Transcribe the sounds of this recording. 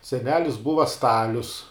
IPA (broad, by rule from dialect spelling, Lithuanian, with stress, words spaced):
sʲɛˈnʲæːlʲɪs ˈbʊʋɐ ˈstɑːlʲʊs